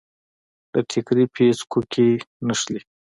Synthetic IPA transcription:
d̪̥əʈʰɪkɾipʰeskʰukʰenəʃli

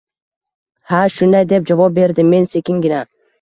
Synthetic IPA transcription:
haʃʊnd̪ajd̪e̞p̚d͡ʒavɒp̚be̞ɾd̪ɪmːe̞nse̞kʲɪŋɡʲɪna

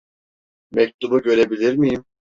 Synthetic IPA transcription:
mɛc̚t̪ʰubuɟø̞ɾe̞bilʲiɾmijim

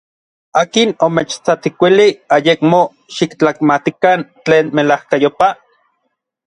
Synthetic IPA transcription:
aːkinomet͡ʃt͡sat̪ikʷiliajekmo | ʃikt͡ɬakmat̪ikant͡ɬeːnmelahkajopa

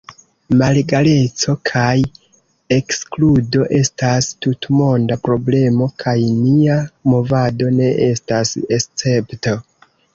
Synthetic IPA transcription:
malɡale̞t͡so̞kʰaj | e̞kskludo̞ʔe̞stastutmo̞ndapɾo̞ble̞mo̞kʰajniamo̞vado̞ne̞ʔe̞stasest͡se̞pto̞

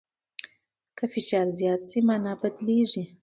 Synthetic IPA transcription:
kəfɪʃɑɾzjɑt̪simanɑbad̪leʐi

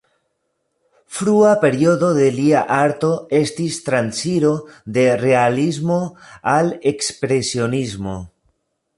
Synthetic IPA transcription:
fɾuape̞ɾioðo̞ðe̞liaʔaɾt̪o̞e̞st̪ist̪ɾansiɾo̞ðe̞re̞alizmoale̞kspɾe̞sionizmo̞

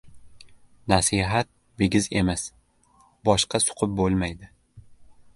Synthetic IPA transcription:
nasiɦat̪̚ | beɡʲɪze̞mas | bɒʃqʰɑsʊ̥qʰʊp̚bolˠmajd̪ɪ

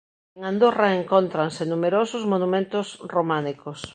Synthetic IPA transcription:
eŋand̪oraeŋkont̪ɾansenumeɾosʊzmonumẽnt̪ʊsromanikos

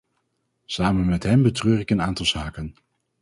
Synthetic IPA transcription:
saːmənmɛtɦɛmbətrøːrɪkənaːntɑlˠzaːkən

